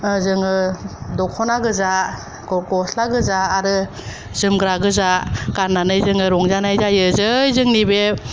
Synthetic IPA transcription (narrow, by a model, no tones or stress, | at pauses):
zɯŋɯdɔkʰɔnaɡɯza | ɔɡɔslaɡɯzaːɾɯ | zɯmɡɾaɡɯzakanːanɯjzɯŋɯɾɔŋzanajzajɯzɯjzɯŋnibe